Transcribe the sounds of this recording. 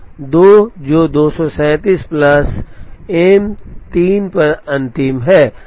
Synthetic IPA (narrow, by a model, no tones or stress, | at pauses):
d̪oːd͡ʒoːd̪oːsɔːsɛ̃ːt̪iːsplɐseːmt̪iːnpɐɾɐ̃nt̪ɪmɦɛː